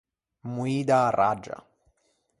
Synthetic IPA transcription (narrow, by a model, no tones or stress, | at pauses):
muid̪arad͡ʒa̰